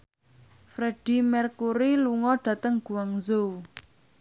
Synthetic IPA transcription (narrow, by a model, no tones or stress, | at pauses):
fɾeɖ̥i̤mɛrkuɾiluŋɔɖ̥ä̤t̪əŋɡ̥ṳwaŋzo